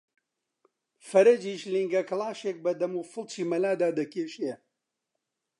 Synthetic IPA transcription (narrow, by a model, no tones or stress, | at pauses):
fɐɾɐd͡ʒiːʃliŋɡɐklˠaːʃeːk̚bɐd̪ɐmuːfɨlˠt͡ʃʰiːmɐlaːd̪aːd̪ɐkʰeːʃe